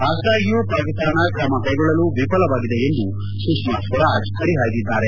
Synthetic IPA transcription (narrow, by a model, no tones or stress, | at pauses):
bʱaːsʈɐjupɾɐkist̪ɾɐɳɐkɾɐmɐkɐjɡɔɭɐluʋipɐlɐʋaːɡid̪eend̪u | sukmaːskɔɾad͡ʒkɐɽiɦaːjd̪id̪ːaːɾe